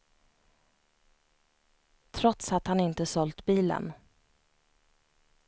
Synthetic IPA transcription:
t̪ʰɾɔt̪sat̪hanɪnt̪əsɔlt̪biːlə̰n

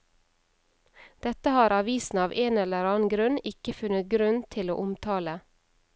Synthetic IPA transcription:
d̪̥ɛt̪əhɑːɾʔɑʋiːsn̩ɑːʋʔeːnɛləɾɑːn̩ɡɾʉnɪkəfʉnət̪̚ɡɾʉnt̪ʰɪlo̰ːʔʊmt̪ʰɑːlə

